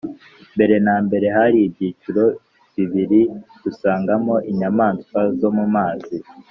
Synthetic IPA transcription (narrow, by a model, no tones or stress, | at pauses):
mbe̞ɾe̞naːmbe̞ɾe̞haɾiːbɟiːt͡ʃuɾo̞ | βiβiɾiɡ̥usaːŋɡamo̞ʔiɲamaːnskwazo̞mumaːzi